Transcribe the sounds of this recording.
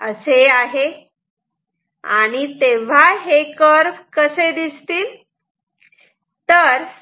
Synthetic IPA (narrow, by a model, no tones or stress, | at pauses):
əseaɦe | a̰ɽ̃it̪eʋ̤aɦekəɾkəsed̪ist̪iːl | t̪əɾ